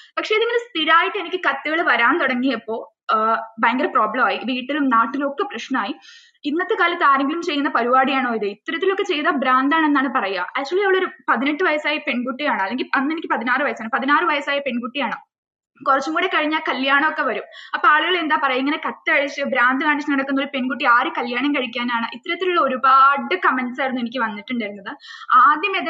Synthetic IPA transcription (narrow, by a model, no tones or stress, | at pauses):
pɐkʂe̞iðiŋːɐnest̪iɾaːjiʈːɨenikʲːɨkɐt̪ːɨɣɐɭʋɐɾaːnt̪oɽɐŋːijɐepːo̞ː | baːŋɡɐrproːbɭɐmaːjiʋiːʈːilumnaːʈːilo̞kːeprɐɕnɐmaːji | inːɐt̪ːekaːlit̪aːɾɐŋɡilumt͡ɕe̞jːunːɐpɐɾuʋaːɽijaːɳoːiðɨit̪ːɐɾɐt̪ːilo̞kːet͡ɕe̞jðɐbɾaːnd̪aːɳe̞nːaːɳɨpɐrɐja̰ːæːk̚t͡ɕːuɐlijɐʋɐɭo̞ɾupɐðineʈːɨʋɐjɐsaːjɐpe̞ɳkuʈːijaːɳɨɐðːe̞ŋɡilɐnːenikʲːɨ̥pɐðinaːrɨʋɐjɐsaːɳɨpɐðinaːrɨʋɐjɐsaːjɐpe̞ɳkuʈːijaːɳɨ | kurɐt͡ɕːumkuːɽekɐɻiɲːaːkɐljaːɳɐmo̞kːe̞ʋɐɾumɐpːoaːɭuɣɐɭe̞nd̪aːpɐrɐjiŋːɐnekɐt̪ːɨɐɻit͡ɕːɨbɾaːnd̪ɨkaːɳit͡ɕːnɐɽɐkːunːoɭpe̞ɳkuʈːiaːɾɨkɐljaːɳɐmkɐɻik̬ʲːaːnaːɳɨʔit̪ːɐɾɐt̪ːiluɭːɐo̞ɾubaːɖɨkɐmeɳɖsajɾunːuenikʲːɨʋɐnːiʈːuɳɖɐɾunːɐðɨaːd̪jɐmeːð